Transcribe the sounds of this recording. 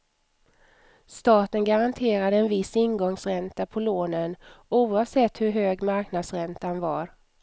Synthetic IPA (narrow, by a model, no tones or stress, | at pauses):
st̪ɑːt̪ənɡaɾant̪ʰeːɾad̪əɛnvɪsːɪnɡɔŋsɾɛnt̪apʰɔloːnənuːɑvsɛt̪ːhɵɾɦøːɡmaɾknad̪sɾɛnt̪anvaɾ